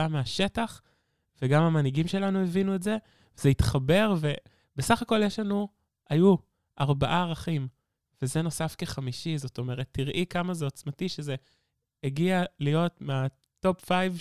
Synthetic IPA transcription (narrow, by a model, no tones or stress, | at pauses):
ameaʃe̞taχ | veɡamamaniɡimʃe̞lanuevinuetze̞ | vezeitχabe̞ʁve̞ | besaχako̞ljeʃlanu | aju | aʁbaʔaːʁaχim | v̥ezeno̞safke̞χamiʃizo̞to̞me̞ʁetːiʁʔikamazeot͡smatiʃeze̞ː | ɡialijo̞tmea | to̞pfajv